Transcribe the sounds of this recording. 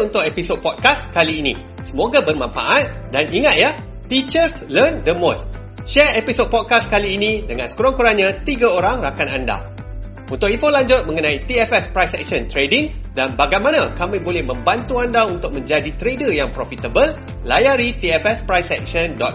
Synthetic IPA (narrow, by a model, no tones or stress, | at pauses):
unt̪ʊkepisod̚pɔd̚kaskaliːnḭ̃ | səmoɡabərmãnfa̰ʔat̪̚daniŋat̪̚ja | t̪it͡ʃərslərndəmos | ʃɛepisod̚pɔd̚kaskaliːnĩdəŋãnskuɾɔŋkuɾanɲãt̪iɡaoɾaŋrakananda̰ | unt̪ʊkifolaɲd͡ʒʊt̪̚mə̃ŋənãit̪iɛfɛspɾajsɛ̰k̚ʃə̃nt̪ɾediŋdanbaɡajmãnãkamĩbolɛhmə̃mbant̪uandaunt̪ʊk̚mə̃ɲd͡ʒadit̪ɾedəjaŋpɾofit̪əbəlː | ajaɾit̪iɛfɛspɾajsɛk̚ʃəndɔt̪̚